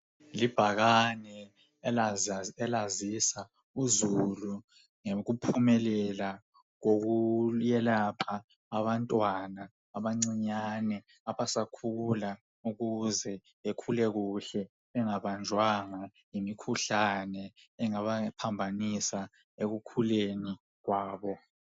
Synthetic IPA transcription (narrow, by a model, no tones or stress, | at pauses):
lib̥ʱaɣanɛ | ɛlazisa | uzulu | ŋeɣupʰumɛlɛla | ɣ̬oɣ̬ujɛlapʰaː | βantʼwanaː | βaŋ͡ǀiɲanɛ | aβasakʰula | uɣuzɛ | ekʰulɛɣuɬɛ | ɛŋaβand͡ʒʱwaŋa | jimikʰuɬanɛɛŋaβapʰambʱanisa | eɣukʰuleni | ɣwaːβɔ